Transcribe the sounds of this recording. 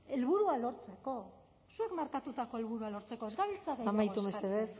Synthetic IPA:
e̞lβuɾualo̞ɾt͡se̞ko̞ | sue̞kmaɾkat̪ut̪ako̞e̞lβuɾualo̞ɾt͡se̞ko̞ezɡaβilt͡saðejamajt̪umeseβes

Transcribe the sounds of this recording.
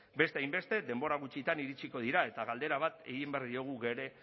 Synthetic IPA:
be̞st̪eajmbe̞st̪e̞d̪e̞mbo̞ɾaɣ̞ut͡ʃit̪aniɾit͡ʃiko̞ð̞iɾae̞t̪aɣald̪e̞ɾaβ̞at̪e̞̰ɣimbeaɾðioɣ̞uɣe̞ɾe̞

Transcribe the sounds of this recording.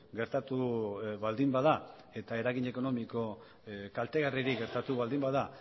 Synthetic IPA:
ɡe̞ɾt̪at̪uβald̪imbað̞a | e̞t̪aeɾaɣiɲe̞ko̞no̞miko̞ | kalt̪e̞ɣariɾiɣe̞ɾt̪at̪uβald̪imbaða

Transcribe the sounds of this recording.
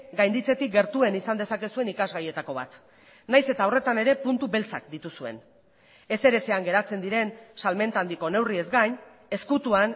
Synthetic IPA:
ɡajnd̪it͡se̞t̪ik̚ɡe̞ɾt̪ue̞nisand̪e̞sake̞sue̞nikazɣaje̞t̪ako̞β̞a̰t̪ | najse̞t̪aore̞t̪ane̞ɾe̞punt̪uβe̞lt͡sakd̪it̪usue̞̰n | e̞se̞ɾe̞t͡se̞aŋɡe̞ɾat͡se̞nd̪iɾe̞nsalme̞nt̪and̪iko̞ne̞wrie̞zɡaɲ | e̞skut̪uan

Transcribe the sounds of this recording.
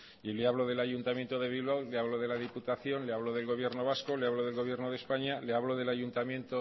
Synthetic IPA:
ileaβlo̞ðe̞laʝunt̪amje̞nt̪oðe̞βilβawleaβloðe̞laðiput̪aθjo̞nleaβloðe̞lɣo̞β̞jeɾno̞β̞asko̞leaβloðe̞lɣo̞β̞je̞ɾnoð̞e̞spaɲaleaβlo̞ðe̞laʝunt̪amjẽ̞nt̪o

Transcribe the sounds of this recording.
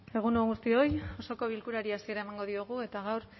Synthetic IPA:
e̞ɣ̞unoɣust̪io̞jo̞so̞ko̞β̞ilkuɾaɾiasie̞ɾaemaŋɡo̞ðio̞ɣ̞ue̞t̪aɣ̞awɾ

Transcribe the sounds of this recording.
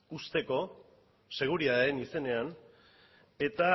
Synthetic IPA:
ust̪e̞ko̞ | se̞ɣ̞uɾiaenise̞ne̞an | e̞t̪a

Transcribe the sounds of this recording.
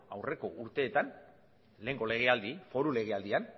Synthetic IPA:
awre̞ko̞ʔuɾt̪e̞ːt̪an | le̞ːŋɡo̞le̞ɣ̞e̞ald̪ifo̞ɾule̞ɣ̞e̞ald̪ian

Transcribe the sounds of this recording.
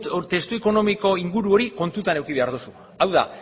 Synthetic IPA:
t̪e̞st̪ueko̞no̞miko̞iŋɡuɾuo̞ɾiko̞nt̪ut̪ane̞wkiβe̞aɾðusu | awða̰

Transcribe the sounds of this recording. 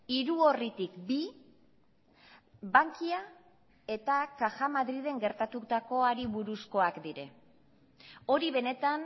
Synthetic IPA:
iɾuorit̪ikbi | baŋkia | e̞t̪akaxamaðɾið̞e̞ŋɡe̞ɾt̪at̪ut̪ako̞aɾiβuɾusko̞akd̪iɾe̞ | o̞ɾiβ̞e̞ne̞t̪an

